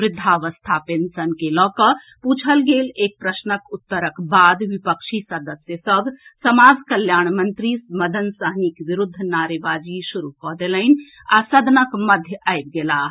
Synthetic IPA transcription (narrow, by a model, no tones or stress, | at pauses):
ʋɾɪd̪ʱːaʋəst̪ʰapensənkelɔkə | put͡ʃʰəlɡelek̚pɾəsnəkut̪ːəɾəkbad̪ʋipəkʃʰisəd̪əsjəsəbʱsəmad͡ʒkəljaɳmənt̪ɾisməd̪ʱənsəɦnikʋiɾud̪ʱːnaɾebad͡ʒisuɾukɔɦd̪elən | asəd̪ʱnəkməd̪ʱjəʔajb̚ɡela